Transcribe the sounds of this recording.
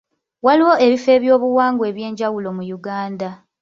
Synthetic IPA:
waliwo̞ʔeβife̞ːβjo̞ːβuwaːŋɡwe̞ːβje̞ːɲɟawulo̞mujuɡaːnda

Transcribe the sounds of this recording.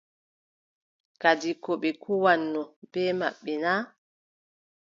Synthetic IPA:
kad͡ʒikɔɓɛkuwanːɔb̥ɛːma̰ɓːɛnaː

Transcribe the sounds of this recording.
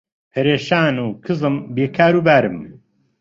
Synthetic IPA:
hʰɐɾeːʃaːnuːkʰɨzɨmbeːkʰaːɾuːbaːɾɨm

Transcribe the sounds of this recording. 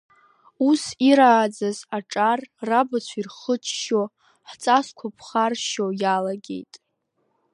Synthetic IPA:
usiɾaːd͡zazaʈ͡ʂʼarːabat͡ɕʷʰirχət͡ʃʰʃo | ħt͡sʼaskʷʰapʰχarʃojalaɡʲe̞̰jtʼ

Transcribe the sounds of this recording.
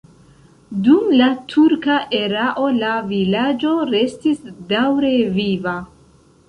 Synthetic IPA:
dumlatʰuɾkaʔe̞ɾaʔo̞lavilad͡ʒo̞ɾe̞stisdawɾe̞viva

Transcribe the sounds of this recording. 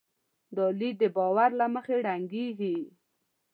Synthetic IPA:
d̪əlid̪d̪ːəbɑwaɾlaməxeɽaŋɡeɡi

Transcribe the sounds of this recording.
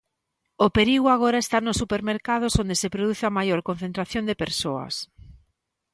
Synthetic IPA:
ʊpeɾiɣʊaɣoɾɐest̪anʊsːupeɾmeɾkað̞osond̪esepɾoðuθeɐmajoɾkon̟θẽnt̪ɾaθjond̪epeɾsoɐ̰s

